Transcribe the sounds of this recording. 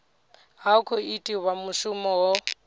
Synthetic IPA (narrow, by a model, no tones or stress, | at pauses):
ɦakʰɔitʼiwamʊʃʊmɔwɔ